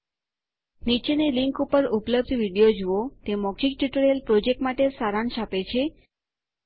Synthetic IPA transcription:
nit͡ʃeneliŋkupəɾupləb̚d̪ʱʋiɽijod͡ʒuot̪emɔɡd͡ʒik̚ʈuʈɾjelpɾod͡ʒek̚ʈmaʈesaɾanʃapet͡ʃʰe

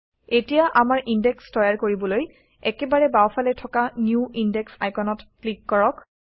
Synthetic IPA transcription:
etijaʔamaɹʔindɛkstɔjaɹkoɹibɔloj | ɛkɛbaɹɛbawfʰalɛtʰɔkanjuindɛksa̰jkɔnɔtklikːɔɹɔk

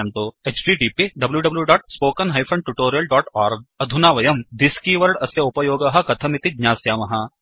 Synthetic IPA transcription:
nt̪oːeːt͡ʃɖiːɖiːpiɖɐbljuɖɐbljuɖɔːʈ̚spoːkɐnɦɐjpʰɾɐ̃ɳɖ̚ʈuʈoːɾijɐlɖɔːʈɔːɾɡ̚ɐd̪ʱunaːʋɐjɐmd̪ɪskiʋɐɾɽɐsjɐʊpɐjoːɡɐɦɐkɐt̪ʰɐmit̪id̪ɲaːsjaːmɐɦa

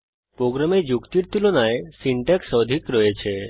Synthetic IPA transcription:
pɾoɡɾamed͡ʒukt̪iɾt̪ulonajsiɳʈeksəd̪ʱikɾəet͡ʃʰe

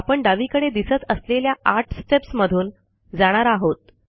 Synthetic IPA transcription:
apəɳɖaʋiːkəɽed̪isət͡səsleljaaɾʈʰsʈepsməd̪ʱuːn | d͡zaɽ̃aɾaɦot̪̚

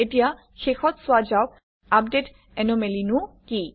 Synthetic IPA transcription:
etija | xexɔt̪sʊad͡ʒawk̚ | ap̚det | ɛnomelinuki

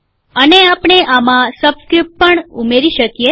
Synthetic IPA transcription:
əneapɳ̃eʔamãsəbskɾip̚ʈ̚pəɳumeɾiʃəkije

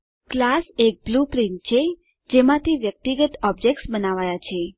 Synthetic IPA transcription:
klasek̚blupɾiɳʈ̚t͡ʃʰe | d͡ʒemãt̪ʰiʋjək̚t̪iɡət̪ɔbd͡ʒek̚ʈsbənaʋajat͡ʃʰe

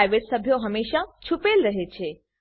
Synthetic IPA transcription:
jʋeʈsəbʱjoɦəmeːʃat͡ɕʰupelɾəɦet͡ɕʰe

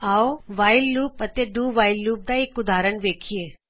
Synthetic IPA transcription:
aoʋaːjlːuːpət̪ed̪uːʋaːɪlːuːp̚d̪aekʊd̪ʱaːɾəɳʋeːkʰijeː

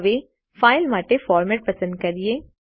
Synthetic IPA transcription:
ʋe | faːɪlmaːʈefɔːɾmɛːʈ̚pɐsə̃nd̪̚kɐɾije

